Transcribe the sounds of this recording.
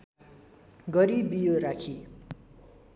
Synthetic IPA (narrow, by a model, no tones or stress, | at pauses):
ɡʌɾibijoɾakʰi